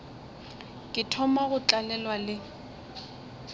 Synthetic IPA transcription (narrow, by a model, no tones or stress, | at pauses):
kʼɪtʰɔmaɣʊt͡ɬʼalɛlwalɪ